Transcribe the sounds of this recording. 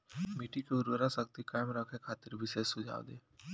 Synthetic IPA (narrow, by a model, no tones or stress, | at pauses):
miːʈikeʊɾwəɾasəkt̪ikaːɪmɾəkʰẽkʰaːt̪ɪɾʋɪʃeːsːʊd͡ʒʱa̰ːʋd̪eː